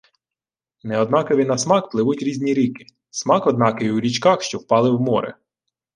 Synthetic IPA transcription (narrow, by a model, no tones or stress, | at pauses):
nɛɔd̪nɑkɔʋʲinɐsmɑkplˠɪʋutʲɾʲizʲnʲiɾʲikɪ̥ | smɑkɔd̪nɑkɪjwɾʲit͡ʃkɑxʃt͡ʃɔwpɑlˠɪwmɔɾɛ̰